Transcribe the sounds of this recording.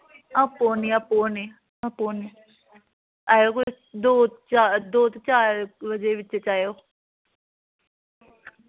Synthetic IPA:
ãːpoːniaːpoːne | ãːpoːn | aːjoːkʊ | d̪oːt͡ʃad̪oːt̪t͡ʃaːɾbəd͡ʒeʋɪtːt͡ʃet͡ʃaːjoː

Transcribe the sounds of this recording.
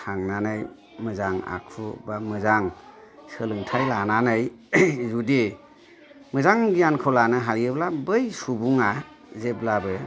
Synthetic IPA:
tʰaŋnanaj | mɯzaŋa̰kʰubamɯzaŋsɯlɯŋtʰajlananɯjzude | mɯzaŋɡijankʰɔlanɯɦalɯblabɯjsubuŋa | zeblabɯ

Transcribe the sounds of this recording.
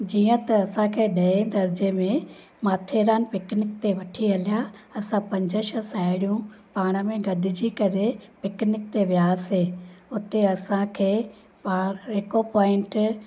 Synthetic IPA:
d͡ʑiːə̃t̪ɐːsãkʰeːɗɐẽd̪ɐɾd͡ʑemẽ | maːt̪ʰeɾaːnɪ̆pɪknɪk̚t̪eʋɐʈʰiɦɐlijaɐsãpɐ̃ɲd͡ʑəʃəsaːɪɽijũpaːɽ̃əmẽɡɐdɪ̆d͡ʑikɐɾepɪknɪk̚t̪eʋjaːseːʊt̪eɐsãkʰeː | pãːɪkopɔːɪ̃ɳʈ

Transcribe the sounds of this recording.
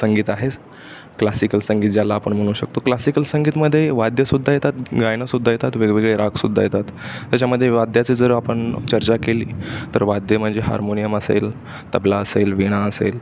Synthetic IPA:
səŋɡiːt̪aɦet͡s | klasikəlsəŋɡiːt̪̚d͡ʑjalaːpəɳm̤əɽ̃uːɕək̚t̪oklasikəlsəŋɡiːt̪məd̪ʱːjeʋad̪jəsud̪ʱːajet̪at̪ɡajɳ̃əsud̪ʱːajet̪at̪ʋeɡʋeɡɭeɾakʰsud̪ʱːa̰jet̪at̪ːjat͡ɕaməd̪ʱːjeʋad̪ʱjat͡siːd͡zəɾəapəɳt͡ɕəɾt͡ɕakeliːt̪əɾʋad̪ʱjəm̤əɳd͡zeɦa̰ɾmonijəməsḛl | t̪əblaəselʋiɽ̃aəsḛl

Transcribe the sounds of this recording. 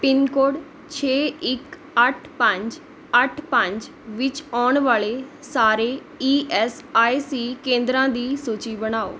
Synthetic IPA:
pɪnkoːɖ | t͡ʃʰeːɪk | əʈʰpəɲd͡ʒ | əʈʰpə̃ɲd͡ʒ | ʋɪt͡ʃɔːɳʋaːleːsaːɾeː | iːʔɛːs | aːisiːkẽːnd̪ɾãːd̪iːsuːt͡ʃiːbəñaːo̰ː

